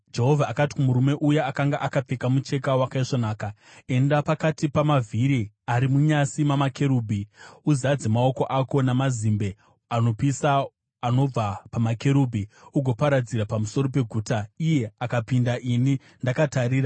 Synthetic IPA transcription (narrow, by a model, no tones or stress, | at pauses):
d͡ʒe̞ɦovʱaːkati̥kumuɾume̞ʔujaakaŋɡaʔakap͡fekamut͡ʃe̞kawakaiʂonaːka | e̞ndapakatipamavʱiɾi | aɾimuɲasimamakʰe̞ɾuːbʱiuzad͡zemao̞ko̞ʔako̞namazimbe̞ | ano̞pisaː | no̞b͡vapamake̞ɾubʱiuɡʱo̞paɾad͡ziɾapamuso̞ɾo̞pe̞ɡʱuːtaije̞akapindaʔini | ndakataɾiːra